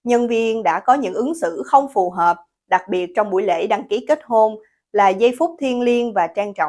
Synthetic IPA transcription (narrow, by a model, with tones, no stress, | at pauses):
ɲə˧nvi˧ənɗa̰ː˧˥kɔ˨˦ɲɨ̰˧˥ŋʔɨ˨˦ŋsɨ̰˧˨xə˧wŋ͡mfu˨˩ɦəː˨˩p̚ | ɗa˨˩k̚ɓi˨˩ət̚t͡ɕɔ˧wŋ͡mɓṵ˧˩əjlḛ˧˥ɗa˨˩ŋki˨˦ke˦˥t̚ho˧n | laː˨˩zə˧jfʊ˦˥k͡p̚t̪ʰi˧ənli˧ənvaː˨˩t͡ɕaː˧ŋt͡ɕɔ̰˧˨ŋ͡m